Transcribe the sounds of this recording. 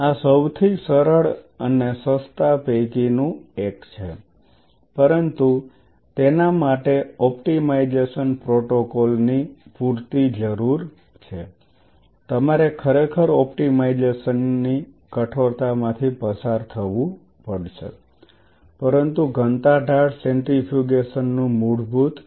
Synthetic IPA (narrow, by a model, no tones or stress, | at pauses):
asəwt̪ʰisəɾəɭ | ənesəst̪apekinũekt͡ʃʰe | pəɾənt̪u | t̪enamaʈeɔpʈimaid͡ʒeʃənpɾoʈokɔlnipuɾt̪id͡ʒəɾuɾ | t͡ʃʰe | t̪əmaɾekʰəɾekʰəɾɔpʈimaid͡ʒeʃənːi | kəʈʰoɾt̪amãt̪ʰipəsaɾt̪ʰəʋũ | pəɽʃḛ | pəɾənt̪uɡʱənt̪aɖʱaɽsẽɳʈifʰik̬eʃənːũmuɾbut̪